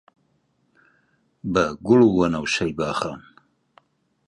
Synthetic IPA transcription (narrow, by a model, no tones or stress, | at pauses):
bɐɡʷʊlwɐnɐwɕɐjbaːχan